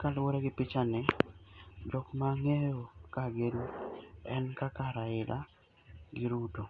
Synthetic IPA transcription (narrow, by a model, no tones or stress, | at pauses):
kalwoɾɛɡɪpɪt͡ʃanɛ | d͡ʒɔkmaŋejokaɡenuɛnkakaɾaɪla̰ | ɡɪɾuto